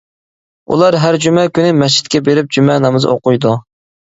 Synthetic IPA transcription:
ṵlˠɑɾɦæɾd͡ʒymɛkʲynɪmɛt͡ʃʰi̥t̪̚kʲɛbeɾɪp̚d͡ʒymɛnɑmɨzɨ̰oqʊjd̪u

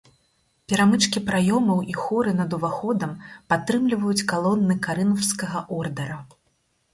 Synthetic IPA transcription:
pʲɛɾamɨt͡ʂkʲipɾajɔmɐwʔixɔɾɨnɐd̪uvaxɔd̪ɐmpat̪ːɾɨmlʲivɐjut͡sʲkalˠɔnːɨkaɾɨnɐwskɐɣɐʔɔrd̪ɐɾɐ

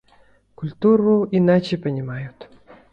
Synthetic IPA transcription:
kʊlʲt̪uɾuinat͡ɕepʲənʲimajut̪

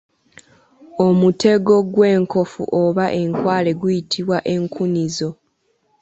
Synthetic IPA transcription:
o̞mute̞ɡo̞ɡwe̞ːŋko̞fṵʔoβaʔe̞ŋkwaːle̞ɡwujitʰiβwaʔe̞ŋkʰunizo̞

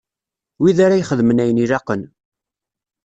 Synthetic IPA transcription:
wiðaɾajχəðmənæjənilɑqən

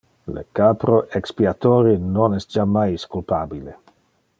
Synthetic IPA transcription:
lḛkapɾoʔekspiat̪oːɾinonɛst̚d͡ʒamajskulpaːbile

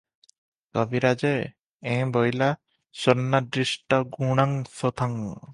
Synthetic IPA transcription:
kɔbiɾad͡ʒe | ẽbɔjla | sɔɾnːad̪ɾisʈɔɡuɽ̃aŋsɔt̪ʰaŋ

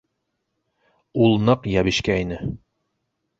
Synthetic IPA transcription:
ulˠnɤqjæβɘʃkæinɘ

